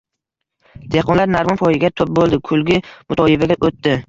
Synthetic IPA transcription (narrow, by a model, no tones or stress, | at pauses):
d̪̥eqʰɒnlaɾnaɾmɒnfʰɒjɪɡʲat̪ʰʊp̚bolˠd̪ɪkʰʊlɡʲɪmʊt̪ʰɒjɪbaɡʲaʔot̪ːɪ